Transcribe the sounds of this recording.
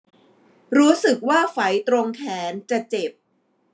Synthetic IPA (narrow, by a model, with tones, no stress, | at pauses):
ɾuː˦˥sɯ˨˩k̚waː˥˩fa˩˦jt̪ɾo˧ŋkʰɛː˩˦nt͡ɕa˨˩t͡ɕe˨˩p̚